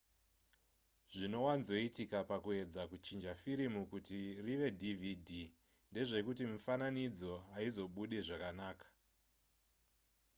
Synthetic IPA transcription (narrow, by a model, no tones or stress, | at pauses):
ʐino̞wanzo̞itikapakue̞d͡zakut͡ʃind͡ʒafiɾimukutiriʋe̞dʱividʱi | nde̞ʐe̞kutimufananid͡zo̞aizo̞ɓuɗe̞ʐakanaːkḁ